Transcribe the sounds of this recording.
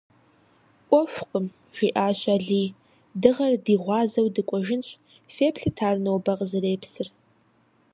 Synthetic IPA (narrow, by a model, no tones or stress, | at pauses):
ʔʷɔʃʷqʼəm | ʒiːʔaːɕʷʼaːɮiː | dɨʁɐrdiːʁʷɑːzɐwdɨkʷʼɔʒɪnɕʷʼ | feːpʰɬɨtʰaːrnɐwbɐqʼzɨreːpʰsɨr